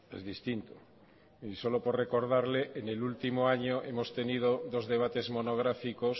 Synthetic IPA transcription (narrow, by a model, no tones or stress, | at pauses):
ḛzðist̪int̪o | iso̞lopore̞ko̞ɾð̞aɾleʔenelult̪imoaɲoʔemo̞st̪e̞nið̞oðo̞zðe̞β̞at̪e̞zmo̞noɣ̞ɾafikos